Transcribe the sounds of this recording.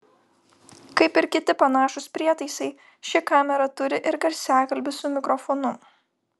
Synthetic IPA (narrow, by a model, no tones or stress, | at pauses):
kɐɪpɪɾkʲɪt̪ʲɪpɐnɑːʃʊspʲɾʲiɛt̪ɐɪsɐɪ | ʃʲɪkɑːmʲɛɾɐt̪ʊɾʲɪʔɪɾɡɐɾʲsʲæːkɐlʲbʲɪsʊmʲɪkɾɔfɔnʊ